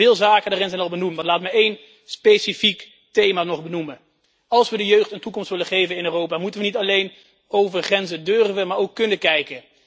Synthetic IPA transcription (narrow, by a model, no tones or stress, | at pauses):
ɪːlˠzaːkədaːrɪnzɛjnɑlˠbənumtmalaːtməejn | spejsifik | tejmaːnɔχbənumə | ɑlˠsʋədəjøːχtəntukɔmstʋɪləχejvənɪnøːrowpaːmutənʋənitɑlejn | owvərχrɛnzədørvənmaːɹowkːɵnəkɛjkə